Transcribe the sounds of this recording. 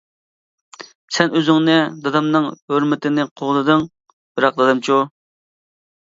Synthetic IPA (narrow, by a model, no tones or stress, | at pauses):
sɛnøzɪŋnɨd̪ɑd̪ɑmnɨŋhøɾmɪt̪ʰɪnɪqʰoʁd̪ɨd̪ɨŋ | b̥ɪɾɑq̚d̪ɑd̪ɑmt͡ʃʰu